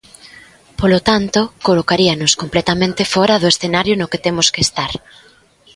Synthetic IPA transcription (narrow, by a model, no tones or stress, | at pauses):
polot̪ant̪okolokaɾiɐnʊskomplɛt̪amẽnt̪efɔɾɐðʊesθenaɾjʊnʊket̪emʊskest̪aɾ